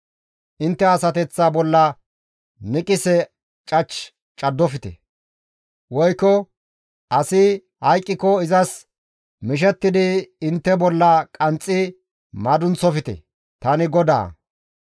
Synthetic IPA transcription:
ʔɪnt̪ːɛɐsɐt̪ɛt͡sːaːbɔlːɐ | nɪkʼɪsɛ | t͡ʃʼɐt͡ʃ | t͡ʃʼɐd̪ːɔfɪt̪ɛ̰ | wɔjkːɔ | ʔɐsɪ | hɐjkʼːɪkɔɪzɐs | mɪʃ̬ɛt̪ːɪd̪ɪɪnt̪ːɛbɔlːɐkʼɐnt͡sʼːɪ | mɐd̪ʊnt͡sɔfɪt̪ɛ̰ | t̪ɐnɪɡɔd̪a̰ː

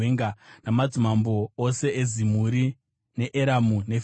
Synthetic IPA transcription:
eŋɡanamad͡zumambo̞ose̞ezimuɾi | ne̞ʔeɾamune̞f

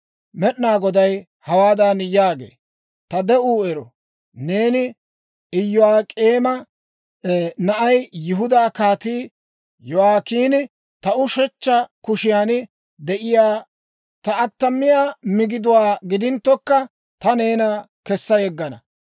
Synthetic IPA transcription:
mɛɗnaːɡɔd̪ɐj | hɐwaːd̪aːnjaːɡḛː | t̪ɐd̪ɛʔuːɛɾɔ | ne̞ːnɪ | ɪjːʊwaːkʼeːmɐ | nɐʔɐjjʊɦʊd̪aːkaːt̪iː | jɔwaːkiːnɪ | t̪ɐʔʊʃɛt͡ʃːɐkʊʃɪjaːn | d̪ɛʔɪjaː | t̪ɐɐt̪ːɐmːɪjaːmɪɡɪd̪ʊwaːɡɪd̪ɪnt̪ːɔkːɐ | t̪ɐne̞ːnɐkɛsːɐjɛɡːɐnɐ̰

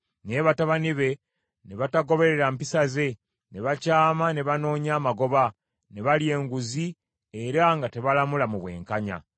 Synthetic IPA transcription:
ne̞βataβaniβe̞ | ne̞βataɡo̞βe̞ɾeɾampisaze̞ | ne̞βacaːmane̞βano̞ːɲaːmaɡo̞βa | ne̞βalje̞ːŋɡuzi | eɾaŋɡate̞βalamulamuβwe̞̰ːŋkaɲa̰

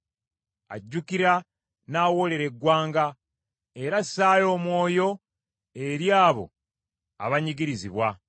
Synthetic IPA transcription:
a̰ɟːukiɾa | naːwo̞le̞ɾe̞ɡwaːŋɡa | e̞ɾasːaːjo̞ːmwo̞ːjo̞ | e̞ɾjaːβo̞̰ | a̰βaɲiɡiɾiziβwa

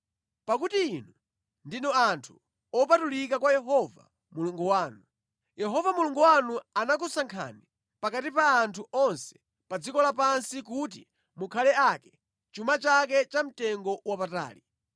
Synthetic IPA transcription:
pakutiːnu | ndinɔantʰu̥ | ɔpatulikakwajɛɦɔva̰ | muluŋɡuwaːnu | jɛɦɔvamuluŋɡuwanuanak̬usaŋkʰa̰ni | pakatipaːntʰuʔɔnsɛ̥ | pad͡zikɔlapansikutḭ | mukʰalɛakɛ | t͡ʃumat͡ʃak̬ɛt͡ʃam̩tɛŋɡɔwapata̰ːli

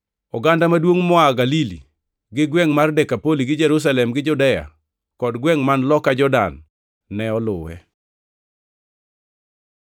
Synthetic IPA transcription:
ɔɡandamadwoŋmɔaɡalilḭ | ɡɪɡwɛŋmardɛkapoliɡɪd͡ʒɛɾus̬alɛmɡɪd͡ʒudɛja̰ | kɔdɡwɛŋmanlɔkad͡ʒɔda̰nː | ɛɔlʊ̰wɛ̰

